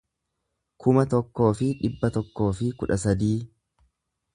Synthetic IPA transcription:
kʰʊmɐt̪ɔkːo̞ːfɪᶑɪbːɐt̪ɔkːo̞ːfɪkʊᶑɐsɐd̪iː

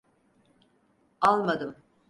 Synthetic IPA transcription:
alˠmad̪ɯm

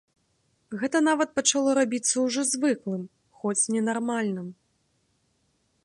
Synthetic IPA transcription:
ɣɛt̪ɐn̪avɐt̪̚pɐt͡ʂalˠɔɾabʲit̪sːɐwʐɔzvɨklˠɨm | xɔt͡sʲnʲɛnarmalʲnɨm

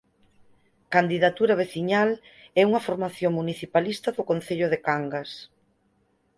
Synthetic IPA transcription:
kand̪iðat̪uɾɐβ̞eθiɲalɛuŋɐfoɾmaθjoŋmuniθipalist̪ɐðʊkonθeʎʊðekaŋɡas

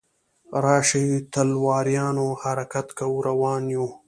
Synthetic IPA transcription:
ɾɑːʂit̪alwɑːɾjɑːnohaɾakat̪kawɾawɑːnju

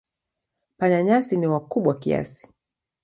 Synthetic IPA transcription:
paɲaɲasiniwakuɓwakḭa̰si̥

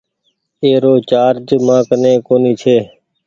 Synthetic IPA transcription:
eːɾoːt͡ʃaːɾd͡ʒmãːkənẽːkoːniːt͡ʃʰeː

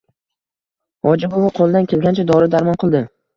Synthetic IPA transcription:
ɒd͡ʒɪbovʊqʰolˠd̪ankʲʰe̞lɡʲant͡ʃʰad̪ɒɾɪd̪aɾmɒnqʰɨlˠd̪ɪ

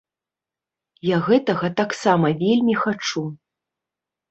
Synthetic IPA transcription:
jaɣɛt̪ɐɣɐt̪aksamɐvʲelʲmʲixat͡ʂu

